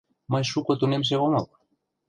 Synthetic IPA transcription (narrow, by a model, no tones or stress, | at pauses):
majʃukot̪unems̬eɣomal